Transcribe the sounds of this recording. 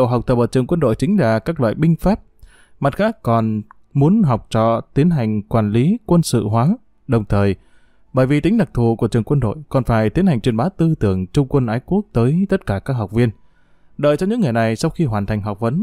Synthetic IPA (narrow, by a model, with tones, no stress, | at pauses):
o̰˧˨wɦa˨˩w̚k͡pt̪ə˨˩p̚ʔəː˧˩t͡ɕɨ˨˩əŋkwə˧nɗo̰˧˨jt͡ɕï˨˦ŋ̟laː˨˩kaː˦˥k̚lwa̰ː˧˨jɓï˧ŋ̟faː˦˥p̚ | ma˨˩t̚xaː˦˥kːɔ˨˩n | mu˨˦ənɦa˨˩wk͡p̚t͡ɕɔ̰˧˨t̪i˨˦ənɦa˨˩jŋ̟kwaː˨˩nli˨˦kwə˧nsɨ̰˧˨ɦwaː˨˦ | ɗə˨˩wŋ͡mt̪ʰəː˨˩j | ɓəː˧˩jvi˨˩t̪ï˨˦ŋ̟ɗa˨˩k̚t̪ʰu˨˧˩ku˧˩ət͡ɕɨ˨˩əŋkwə˧nɗo̰˧˨jkɔ˨˩nfaː˧˩jt̪i˨˦ənha˨˩ŋ̟t͡ɕwi˨˩ənɓaː˨˦t̪ɨ˧t̪ɨ˧˩əŋt͡ɕʊ˧ŋ͡mkwə˧nʔaː˨˦jku˦˥ək̚t̪əː˨˦jt̪ə˦˥t̚kaː˧˩kaː˦˥k̚ɦa˨˩wk͡p̚vi˧ən | ɗəː˨˩jt͡ɕɔ˧ŋ͡mɲɨ̰˧˥ŋːɨ˨˩əjna˨˩jsa˧wxi˧ɦwaː˨˩nt̪ʰa˨˩jŋ̟ɦa˨˩k͡p̚və˨˦n